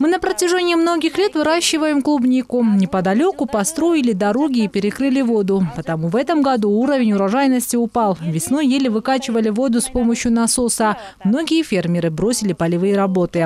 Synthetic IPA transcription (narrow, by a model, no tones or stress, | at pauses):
mɨnəpɾətʲɪʐɛnʲɪɪmno̞ɡʲɪxlʲe̞t̪vɨɾaɕːɪvəjɪmklˠubnʲikʊnʲɪpəd̪ɐlʲo̞kʊpɐst̪ɾo̞jɪlʲɪd̪ɐɾo̞ɡʲɪːpʲɪɾʲɪkɾɨlʲɪvo̞d̪ʊpət̪ɐmuvɛt̪əmɡɐd̪uuɾəvʲɪnʲʊɾɐʐajɪnəsʲtʲɪʊpɑlˠvʲɪsno̞jjelʲɪvɨkat͡ɕɪvəlʲɪvo̞d̪ʊspo̞məɕːjʊnɐso̞sə | mno̞ɡʲɪjəfʲermʲɪɾɨbɾo̞sʲɪlʲɪpəlʲɪvɨjəɾɐbo̞t̪ɨ